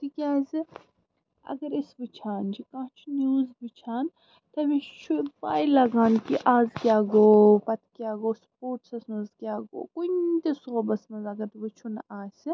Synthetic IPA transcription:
t̪ʰikʲaːzi | ɐ̰ɡɐɾisbɨt͡ʃʰaːnd͡ʒikãːt͡ʃʰnjuːzbɨt͡ʃʰaːn | t̪ɐmit͡ʃʰubaːjlɐɡaːnkiʔaːzɡʲaːɡoːpɐt̪kʲjaːɡoːspoːɾʈsɐsnɐzɡʲaːɡo̰ːkunt̪esuɣɐbɐsmɐzɐɡɐɾt̪ʋɨt͡ʃʰunaːsʲi

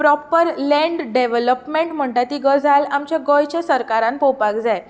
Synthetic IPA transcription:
pɾɔpəɾlɛ̃ɳɖɖeʋələpmeɳʈm̤əɳʈat̪iːɡəd͡zʱalamt͡ɕjaɡojt͡ɕjasəɾkaɾãnpopakd͡zaj

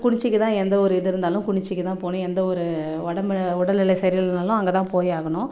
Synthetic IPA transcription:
kʊɳɪt͡ʃːɪkːɯt̪ãːɛnd̪ɐɔɾɯɛðɯɾɯnd̪aːlʊ̃kʊɳɪt͡ʃːɪkːɯt̪ãːpoːnʊ̃ɛnd̪ɐɔɾɯɔɽɐmʊɽɐlɪlɐɪsɐɾɪɾɯnd̪aːlʊ̃ɐŋɡɐt̪ãːpoːjaːɣɐɳʊ̃

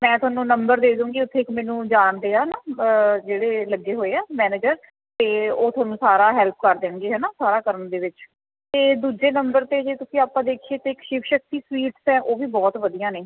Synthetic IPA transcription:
mɛ̃ːt̪ʊwaːnũːnəmbəɾd̪eːd̪ũːŋɡiːʊt̪ʰːeːkmɛ̃ːnũːd͡ʒaːnd̪eːaːnaːd͡ʒeːɽeːləɡːeːɦoːeːaːmɛːneːd͡ʒəɾ | t̪eːoːt̪ʰʊwaːnũːsaːɾaːɦɛːlp̚kəɾd̪ẽŋɡeːɦɛːnaːsaːɾaːkəɾəɳd̪eːʋɪt͡ʃ | t̪eːd̪uːd͡ʒeːnəmbəɾt̪eːd͡ʒeːt̪ʊsĩːaːpãːd̪eːkʰieːt̪eːɪkʃɪʋʃək̚t̪iːsʋiːʈsɛ̃ːʔoːʋiːbɔːt̪ʋəd̪ijãːneː

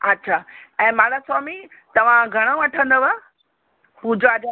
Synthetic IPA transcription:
ɐtːɕʰaːɛ̃ːmãɽasaːmi | t̪ɐʋ̤ãɡʱɐɽ̃əũɐʈʰə̃nd̪əʋə | huːd͡ʑoɐd͡ʑ

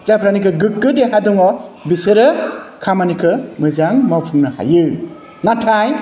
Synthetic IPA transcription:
zapʰɾanikʰɯɡɯk̚ɡɯdeɦadɔŋɔbisɯɾɯkʰamanikʰɯmɯzaŋmawpʰɯŋnɯha̰jɯ | natʰaj

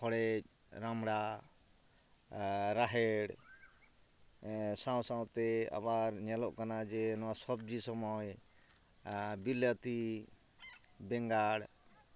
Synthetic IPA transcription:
hɔɽɛc̚ˀ | ɾamɽa | ɾaɦɛɽ | sãw̃sãwt̪ɛa̰baɾɲɛlɔʔkanad͡ʒɛnɔwasɔb̚d͡ʒisɔmɔj | bilat̪i | bɛŋɡaɽ

